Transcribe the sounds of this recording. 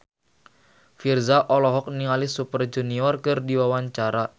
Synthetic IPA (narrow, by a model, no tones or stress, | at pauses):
firzaʔɔlɔɦɔk̚niŋalisupərd͡ʒuniɔrkɨrdiwawaɲt͡ʃaɾa